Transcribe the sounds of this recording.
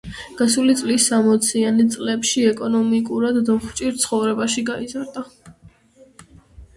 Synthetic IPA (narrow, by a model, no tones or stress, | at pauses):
ɡ̥asulit̪sʼlisːamɔt̪sʰiant̪sʼlɛpʃiɛkʼɔnɔmikʼuɾad̪ːɔχt͡ʃʼiɾt̪sʰχɔvɾɛbaʃiɡaizaɾd̪a